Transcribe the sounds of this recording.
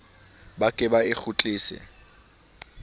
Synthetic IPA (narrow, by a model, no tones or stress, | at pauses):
bakʼɪbaɪk͡xʰʊt͡ɬʼiːsɪ̰